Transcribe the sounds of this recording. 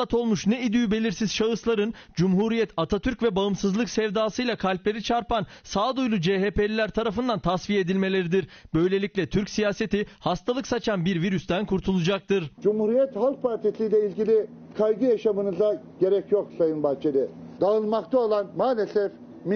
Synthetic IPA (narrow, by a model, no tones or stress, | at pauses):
at̪ʰo̞lˠmuʃnɛid̪ybe̞lʲiɾsiz̥ʃaɯslˠaɾɯn | d͡ʒumɦuɾijɛt̪ʰat̪ʰat̪ʰyɾcvɛbaɯmsɯzlˠɯksɛvd̪aːsɯjlˠakʰalʲplʲe̞ɾit͡ʃʰaɾpansaːd̪ujlˠud͡ʒeːɦeːpelʲilʲæɾt̪ʰaɾafɯnd̪ant̪ʰasvije̞d̪ilʲme̞lʲe̞ɾid̪iɾbø̞jlʲe̞lʲicʲlʲɛt̪ʰyɾcsijaːse̞t̪ʰihast̪ʰalˠɯksat͡ʃʰanbiɾviɾyst̪ænkʰuɾt̪ʰulˠud͡ʒak̚t̪ʰɯɾd͡ʒumhuɾijɛt̪halˠk̚pʰaɾt̪ʰisilʲɛilʲɟilʲi | kʰajɡɯjaʃamɯnɯza | ɟ̥e̞ɾɛcjoksajɯnbaht͡ʃʰelʲɪd̪aɯnmakt̪ʰaolˠanmaːlʲesɛf | m